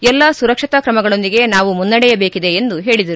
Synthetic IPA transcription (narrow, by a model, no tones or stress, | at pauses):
ɛlːɐsuɾɐkʂit̪ɐkɾɐmɐɡɐɭo̞nd̪iɡe̞naːʋumunːɐɽɛjɐbe̞ːkid̪e̞ːnd̪uɦe̞ːɭid̪ɐɾu